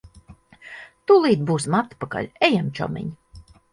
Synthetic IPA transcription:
t̪ulˠiːd̪̚buːsmat̪paka̰lʲɛjamt͡ʃɔ̰mḭɲ

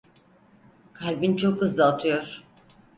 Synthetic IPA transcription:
kʰalʲbint͡ʃʰo̞khɯzd̪ˠaːt̪ʰɯjo̞ɾ̥

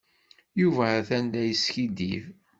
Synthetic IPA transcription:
juvæθænlæjəsçid̪iv

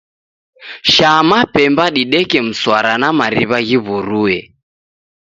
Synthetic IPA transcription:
ʃamapɛmbaɗiɗɛkɛm̩swaɾanamaɾiβaɣiβuɾuɛ

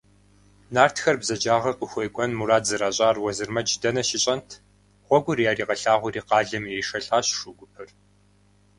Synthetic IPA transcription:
naːrtʰxɐrbzɐd͡ʒaːʁɐqʊxʷejkʷʼɔnmuraːtzɨɾaːɕʼaːrwɔzɨrmɐd͡ʒdɐnɐʃɪɕʼɐntʰ | ʁʷɔɡʷʊrjaːriːqɐɬaːʁʷʊriːqɑːɮɐmjɛʂɐɬʼaːɕʂʊɡʷʊpʰɨr

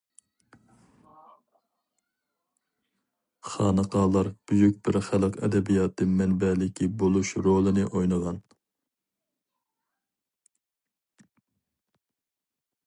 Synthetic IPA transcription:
χɑːnəqɑːlˠɑɾb̥yjykʲbɪɾχælˠəqɛ̰d̪ɛbijɑt̪ːɨmɛnbɛlɪkʲʰibolˠuʃɾolˠɨnɪʔojnəʁɑn

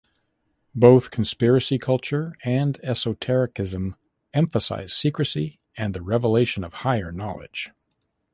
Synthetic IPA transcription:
boʊθkʰn̩spɪɹɨsikʰʌlˠt͡ʃə˞ɨ̃nɛsoʊtʰɛɹɨkɪzə̃m | ɛ̃ɱfəsa̰ɪz̥sikɹɨsi | ɨ̃nðɨɹɛvəleɪʃɨ̃nʌv̥haɪə˞nɑlˠɪ̰d̥ʒ̥

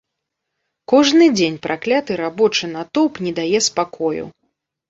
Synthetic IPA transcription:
kɔʐnɨd͡zʲenʲpɾʔaklʲat̪ɨɾabɔt͡ʂɨnat̪ɔpnʲɛd̪ajɛspakʰɔjṵ

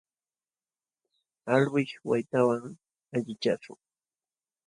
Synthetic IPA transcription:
alwɪʃwajt̪awaŋ | aʎɪt͡ʃasʊ̰ŋ

